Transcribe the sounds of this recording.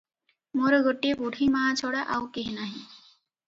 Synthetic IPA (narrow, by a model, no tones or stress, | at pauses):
moɾɡoʈːiebuɽ̤ʱimaːt͡ʃʰɔɽaʔaukeɦinaɦĩ